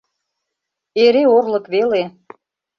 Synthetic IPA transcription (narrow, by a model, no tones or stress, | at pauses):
eɾeorlə̆kβele